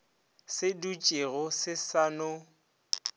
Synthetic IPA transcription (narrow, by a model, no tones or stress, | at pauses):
sɪdut͡ʃʼeɣʊsɪsanʊ